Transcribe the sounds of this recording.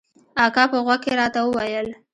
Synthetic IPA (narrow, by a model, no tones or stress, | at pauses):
ɑkɑpəɣwakkeɾɑt̪awəwajəl